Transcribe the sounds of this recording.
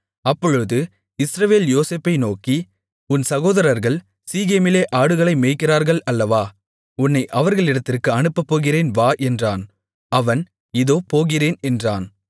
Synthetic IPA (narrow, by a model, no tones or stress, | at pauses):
ɐpːɔɻɯðɯ | ɪsɾɐʋeːljoːseːpːɐɪnoːki | ʊnsɐɣoːðɐɾɐɾɣɐɭ | siːɣeːmɪleːʔaːɽɯɣɐɭɐɪmeːkːɪraːɾɣɐɭɐlːɐʋaː | ʊnːɐɪʔɐʋɐɾɣɐɭɪɽɐt̪ːɪrkɯɐɳɯpːɐpːoːɣɪreːnʋaːʔɛndraːn | ɐʋɐn | ɪðoːpoːɣɪreːnɛndraːn